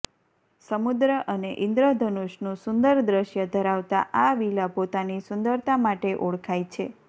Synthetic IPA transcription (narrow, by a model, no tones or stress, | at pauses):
səmud̪ɾəʔəneʔɪnd̪ɾəd̪ʱənoʃnũsʊnd̪əɾd̪ɾəʃjəd̪ʱəɾaʋt̪a̰ʔaʋilapot̪anisʊnd̪əɾt̪amaʈeʔoɽkʰajt͡ʃʰe